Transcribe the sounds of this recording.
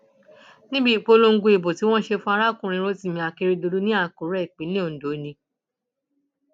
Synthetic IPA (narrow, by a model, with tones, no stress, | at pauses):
nĩ˦bi˦˨k͡po˧lo˧ŋ̩˦ɡu˧˦i˨bo˨ti˨˦w̃ɔ̃˦ʃe˧fũ˦a˧ɾa˦˨kũ˦˨ɾ̃ĩ˧ɾo˧ti˦˨mĩ˧˨a˧ke˧ɾi˧do˧du˦nĩ˦a˦˨ko˨˦ɾɛ˦˨k͡pe˨˦nĩ˦õ˨n̩˨do˨˦nĩ˧˦